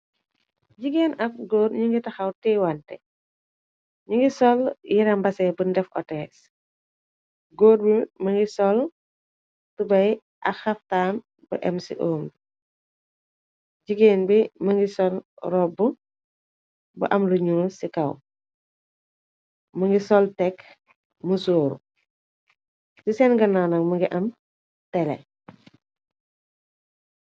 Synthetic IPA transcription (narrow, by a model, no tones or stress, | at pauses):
ɟiɡeːnɐf̚ɡoːɾɲuŋɡitɐxɐwtɛwantɛ | ɲuŋɡisɔljiɾɐmbɐsɛbundɛfʔɔ̰tɛːs | ɡoːd̚bimɐŋɡisɔl | tubɐj | ʔɐxɐftaːn | bɐʔɛmsḭʔoːm | ɟiɡeːnbimɐŋɡisɔlrɔbːu | bɐ̰ʔɐmluɲunsikɐw | mɐŋɡisɔltɛk | məsoːɾṵ | sisɛnɡɐnanɐkmɐŋɡiʔɐm | tɛlɛ̰